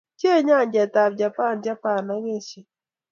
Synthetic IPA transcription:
t͡ʃe˦ɲa˦˨nd͡ʒɛ˨ta˨bd͡ʒa˨pa˦˨nd͡ʒa˦pa˨na˦ŋe˦˨t͡ʃi˨

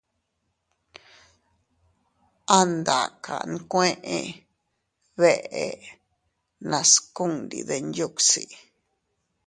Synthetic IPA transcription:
a˦nd̪a˨kʰa̰˨nũ˦kʷẽ˦ʔẽ˧ | βe˦ʔe˨ | nã˧sku˦nɾḭ˧˨ðe˧nju˦ksi˨

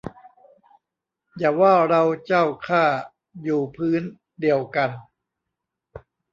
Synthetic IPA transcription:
jaː˨˩waː˥˩ɾa˧wt͡ɕaː˥˩wkʰaː˥˩ | juː˨˩pʰɯː˦˥n | di˧əwka˧n

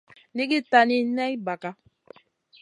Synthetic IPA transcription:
ni˦ki˦ta˨ni˦nɛ˦i˦ba˨ka˦

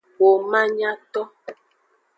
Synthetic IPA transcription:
wo˨mã˦ɲã˦t̪ɔ˦

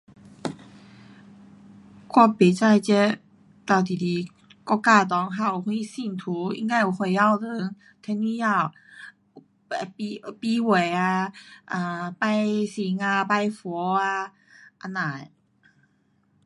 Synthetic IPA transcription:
kwa˥˧pe˨˦t͡sa˥˧˩jt͡ɕɛ˥˦˥ | t̪a˧˩t̪i˨˩t̪i˨˩ | kɔ˥˧ka˥˧˩t̪̬ɔ˨˧˦ŋɦa˧˩˨hwi˧˦si˥˧˩ŋt̪ʰu˨˦ḭ˧˥ŋka˥˩ju˨˩hwe˧˩a˥˧˩wlə˨˦ŋ | t̪ʰɛ˧˥ni˧ja˥˧˩w | pi˧pi˧we˨˩a˧ʔa˧˩pa˥˧jsi˨˦ŋa˧pa˥˧˩jfɔ˨˧˦a˧ | ʔa˧nã˨˩˨j

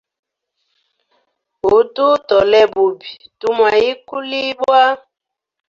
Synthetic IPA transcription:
ɦu˨tu˦tɔ˨lɛ˦bu˨bi˨tu˦mwa˨ji˦ku˦li˦bwa˦

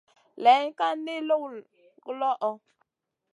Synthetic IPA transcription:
lɛ˨˦ŋ˦ka˦n˦de˦lo˦w | ɡlɔ˦ʔɔ˦

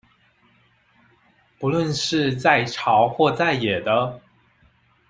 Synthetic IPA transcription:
pu˧˥lwə˥˧nʂɻ̩˥˧t͡sa˥˩ɪʈ͡ʂʰɑ˧˥ʊxwɔ˥˧t͡sa˥˩ɪjɛ˨˩d̪ə˦

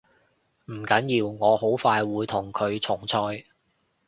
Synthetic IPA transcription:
m̩˨˩kɐ˨˥njiː˧wŋɔː˨˧ho˨˥wfaː˧jwuː˨˧jt̪ʰʊ˨˩ŋkʰɵ˨˧ɥt͡sʰʊ˨˩ŋt͡sʰɔː˧j

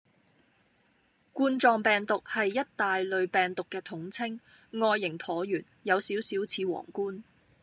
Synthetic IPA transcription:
kuː˥nt͡sɔː˧ŋpɛː˨ŋt̪ʊ˨k̚hɐ˨jːɐ˥t̚t̪aː˨jlɵ˨ɥpɛː˨ŋt̪ʊ˨kːɛː˧t̪ʰʊ˨˥ŋt͡sʰɪ˥ŋː | ɔː˧jːɪ˨˩ŋt̪ʰɔː˨˥jyː˨˩njɐ˨˧wsiː˨˥wsiː˨˥wt͡sʰiː˨˧wɔ̰ː˨˩ŋkuː˥n

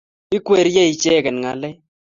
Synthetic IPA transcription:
i˦kwe˨ɾjɛ˦i˨t͡ʃɛː˦˨kɛ˨n˨ŋa˨lɛ˦

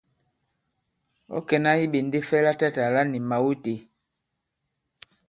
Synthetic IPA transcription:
ɔ̰˦kɛ˨na˦i˦ɓe˨nde˦fɛ˦la˦ta˦ta˨la˦ni˨ma˨wu˦te˨

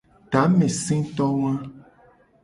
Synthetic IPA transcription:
t̪a˨˦mẽ˨sĩ˦t̪ɔ˦wã˦

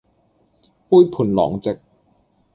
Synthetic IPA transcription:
puː˥˩˨jpʰu˨˩˦nlɔ̰ː˩˦ŋt͡ɕe˨˩k̚

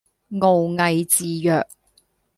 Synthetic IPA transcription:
ŋo˨wŋɐ˨jt͡siː˨jœː˨k̚

